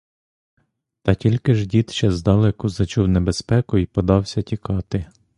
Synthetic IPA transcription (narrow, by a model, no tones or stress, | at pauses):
t̪ɐtʲilʲkɪʒdʲit̪t͡ʃɛzd̪ɑlˠɛkuzɐt͡ʃuwnebespɛkʊipɔd̪ɑwsʲɐtʲikɑt̪ɪ